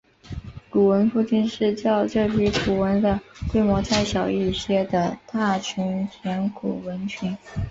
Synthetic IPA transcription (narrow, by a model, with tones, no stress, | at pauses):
ku˨˩wə˧˥nfu˥˧t͡ɕi˥˧nʂɻ̩˥˧t͡ɕjɑ˥˧ʊʈ͡ʂɤ˥˩pʰi˧˥ku˨˩wə˧˥nd̪ə˧kwe˥ɪmwɔ˧˥t͡sʰa˥˩ɪɕjɑ˨˩ʊi˥˩ɕjɛ˥d̪ə˨t̪a˥˩t͡ɕʰy˧˥nt̪ʰjɛ˧˥nkʰu˨˩wə˧˥nt͡ɕʰy˧˥n